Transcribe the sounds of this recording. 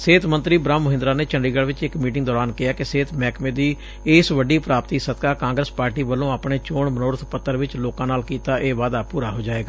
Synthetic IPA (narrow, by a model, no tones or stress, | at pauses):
seːt̪mənt̪ɾiːbɾaːmːʊɦɪ̃nd̪ɾaːneːt͡ʃəɳɖiːɡəɭʋɪt͡ʃɪkmiːʈɪ̃ŋɡd̪ɔːɾaːnkɪaːkɪseːt̪ʰmɛːkmẽːd̪iː | ɪsʋəɖiːpɾaːpt̪iːsət̪̚kaːkãːŋɡɾəspaːɾʈiːʋəlõːaːpɳeːt͡ʃoːɳmənoːɾət̪ʰpət̪ːəɾʋɪt͡ʃloːkãːnaːlkiːt̪aːʔeːʋaːd̪aːpuːɾaːɦoːd͡ʒaːeːɡaː